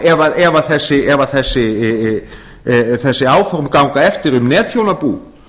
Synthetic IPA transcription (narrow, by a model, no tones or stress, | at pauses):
ɛvaɛvaθɛsːɪɛvaθɛsːɪ | θɛsːɪaːwfɔɾmkawŋkaɛft̪ɪɾʏmnɛːt̪ʰjownapuː